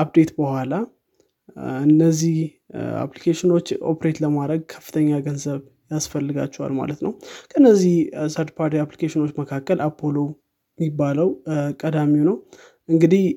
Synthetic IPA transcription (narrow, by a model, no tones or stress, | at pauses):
ʔapd̪e̞t̪bəhʷala | ɨnːəzːih | a̰plikʰeʃɪno̞t͡ʃːo̞̰pʰɾe̞t̪ləmad̪ɾəɡ̚kʰə̥fːɨ̥t̪ʰəɲːaɡənzəβ | jasfəlːɨɡa̰t͡ʃːɛwa̰lma̰lət̪nəwkʰəɨnːəzːihsəɾd̪pʰaɾt̪ʰiaplikʰeʃɪno̞t͡ʃːməkʰakːəlʔapʰːolo̞ | mibːaləwkʼəd̪amiwnəw | ʔɨŋɡɨd̪ih